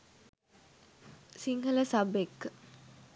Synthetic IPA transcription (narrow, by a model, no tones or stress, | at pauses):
siŋɦələsabekːə